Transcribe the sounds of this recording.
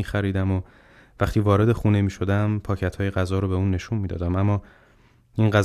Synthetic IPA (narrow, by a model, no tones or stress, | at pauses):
iːxæɾiːd̪æmo | væχt̪ʰiːvɒːɾe̞d̪e̞xuːne̞miːʃo̞d̪æmpʰɒːcʰæt̪ʰhɒːjeɣæzɒːɾobe̞uːnːe̞ʃunmiːd̪ɒ̰ːd̪æmæmːɒː | inɢæz